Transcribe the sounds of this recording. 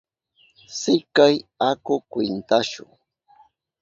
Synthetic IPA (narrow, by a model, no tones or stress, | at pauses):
sɪkajakʊkwɪnt̪aʃʊ̰ŋ